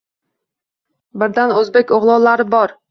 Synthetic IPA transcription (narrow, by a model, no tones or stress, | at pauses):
bɪɾd̪anɵzbekʲoʁlˠɒwlaɾɪbɒɾ